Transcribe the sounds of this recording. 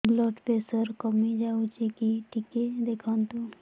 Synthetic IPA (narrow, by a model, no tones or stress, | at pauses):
blɔːʈpeːsəɾkəmid͡ʒaːut͡ʃekiʈʰiked̪eːkʰãːnt̪ũ